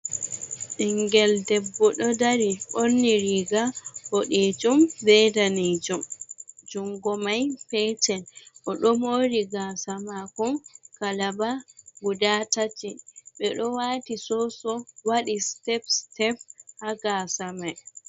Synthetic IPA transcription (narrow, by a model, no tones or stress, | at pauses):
ɗiŋɡɛldɛbːɔɗɔdaɾionːiɾiɡahoɗed͡ʒumbɛdanid͡ʒumd͡ʒuŋɡɔmajfɛt͡ʃɛnʔɔɗɔmoɾiɡaːsamakɔmkalabaɡudatat͡ʃiɓɛɗɔwatisɔsɔwaɗistɛpstɛfhaɡasamaj